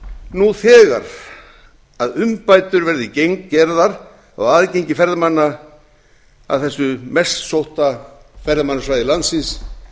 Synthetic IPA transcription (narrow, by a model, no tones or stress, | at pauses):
nuθɛːɣa̰ɾ̥ | aðʏmpaːjt̪ʏɾvɛɾðɪcejŋkcɛɾðaɾ | a̰ɣaːðceɲcɪfɛɾðɪmanːa | a̰ðθɛsːʏmɛst̪sowht̪afɛɾðɪmanːasvajðɪlant̪sɪns